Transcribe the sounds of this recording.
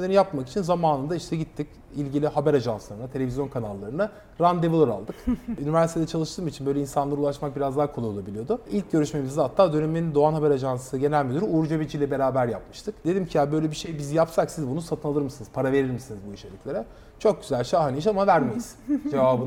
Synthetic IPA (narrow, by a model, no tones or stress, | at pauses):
elʲenijapmaki̥t͡ʃʰinzamaːnɯnd̪aiʃt̪ʰɛɟit̪ʰːic | ilʲɟilʲiɦabæɾaʒanslˠaɾɯnat̪ʰee̞vizjo̞nkʰanalˠːaɾɯna | ɾand̪evulˠoɾa̰lˠd̪ɯkynivæɾsit̪ʰed̪ɛt͡ʃʰalˠɯʃt̪ʰɯːmit͡ʃʰinbø̞jlʲeinsanlˠaɾulˠaʃmak̚biɾazd̪aːkʰolˠujo̞lˠabilʲijo̞d̪ʊilʲc̚ɟø̞ɾyʃmemizd̪aat̪ːaːd̪ø̞nemenind̪o̞anɦabɛɾaʒansɯɟe̞nælʲmid̪yɾuuɾud͡ʒabet͡ʃʰilʲɛbe̞ɾaːbæɾjapmɯʃt̪ʰɯkd̪e̞d̪imcʰijabø̞jlʲɛbiʃe̞jbizijapsaksizbunusat̪ʰɯnalˠɯɾmɯsɯnɯzpʰaɾave̞ɾiɾmisinizbuit͡ʃʰelʲicʰʲlʲeɾɛ | t͡ʃʰo̞k̚ɟyzælʲʃaɦaniiʃamavæɾmejiz̥d͡ʒe̞vaːbɯn